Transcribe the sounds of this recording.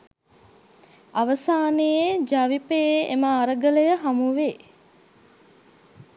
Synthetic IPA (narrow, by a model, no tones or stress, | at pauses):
aʋəsaːnejed͡ʒaʋipejeeməːɾəɡələjəɦamuʋeː